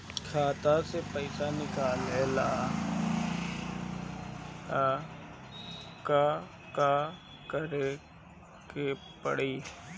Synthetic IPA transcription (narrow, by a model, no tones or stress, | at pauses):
kʰaːt̪asepəɪsanɪkaːlelaː | ka | ka | kəɾe | ke | pəɽiː